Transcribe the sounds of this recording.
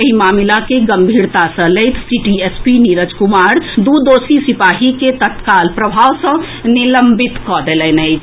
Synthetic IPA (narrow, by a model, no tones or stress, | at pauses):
əɦimamilakeɡəmbʱiɾt̪asə̃leɪt̪ʰsiʈiespiniɾəd͡ʒkumaɾd̪ud̪osisipaɦiket̪ət̪kalpɾəbʱawsə̃ | niləmbit̪kɔd̪elɛnɛɪd͡ʒ